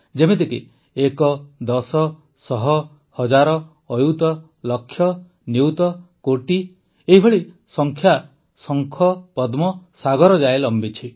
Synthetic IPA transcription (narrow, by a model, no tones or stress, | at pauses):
d͡ʒemed̪eki | ekɔd̪ɔsɔ | sɔɦɔ | hɔd͡ʒaɾɔː | jut̪ɔ | lɔkʰːjɔ | niwt̪ɔkoʈi | eɦibʱɔɭi | sɔŋkʰja | sɔŋkʰɔpɔd̪mɔsaɡɔɾɔd͡ʒaelɔmbit͡ʃʰi